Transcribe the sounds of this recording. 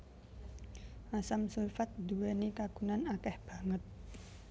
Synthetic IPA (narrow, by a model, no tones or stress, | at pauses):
ʔasamsulfat̪̚d̪uwɛnikaɡ̥unanakɛhb̥ä̤ŋət̪̚